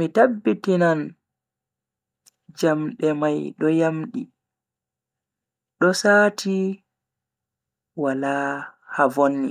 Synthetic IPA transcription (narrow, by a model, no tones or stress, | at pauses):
mitabːitinan | d͡ʒamɗɛmajɗɔjamɗḭ | ɗɔsaːtʰi | wala | havonːḭ